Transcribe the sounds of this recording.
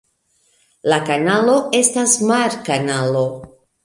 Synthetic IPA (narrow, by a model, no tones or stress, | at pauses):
lakanalo̞e̞stasmaɾkanalo̞